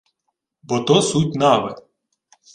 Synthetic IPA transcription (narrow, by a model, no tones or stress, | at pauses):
bɔt̪ɔsutʲnɑʋɪ